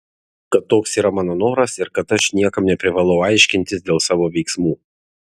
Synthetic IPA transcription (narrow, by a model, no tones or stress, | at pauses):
kɐt̪ːoːksiːɾɐmɑːnoːnoːɾɐsɪɾkɐt̪ɐʃnʲiɛkɐmnʲɛpʲɾʲɪʋɑːlˠɐʊɑɪʃʲkʲɪnʲt̪ʲɪsd̪ʲeːlˠsɑːʋoːʋʲɛɪksmuː